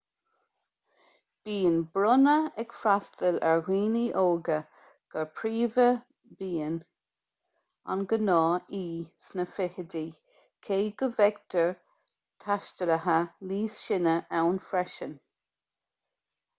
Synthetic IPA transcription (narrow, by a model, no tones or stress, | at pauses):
b̥iːənbɾʊnəɛɡfɾastəlɛɹwiːniʔoːɡə | ɡ̥əɹpʰɹiːvə | biːən | a̰nɡənɑːiːsnəfɪhədi | kʰeːɡəvɛɡtʰəɹ | t̪ʰaʃtələɦəliːsʃɪnəʔawnfɾɛʃən